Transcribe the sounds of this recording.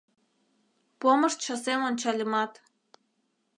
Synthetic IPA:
pomɤ̆ʃt͡ɕɑ̆semonʲt͡ɕɑlʲɤmɑt̪

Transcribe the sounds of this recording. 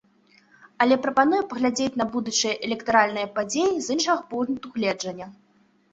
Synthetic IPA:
ɐlʲɛpɾɐpanujɛpɐɣlʲad͡zʲet͡sʲn̪ɐbud̪ut͡ʂɨjɐʔɛlʲɛkt̪aɾalʲnɨjɐpad͡zʲejizɨnʂɐɣɐpunt̪uɣlʲɛd͡ʐɐnʲːɐ

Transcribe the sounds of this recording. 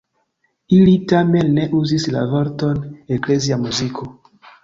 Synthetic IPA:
ilitamenːeʔuzisla̰veɾtonekleziamuzikʰo

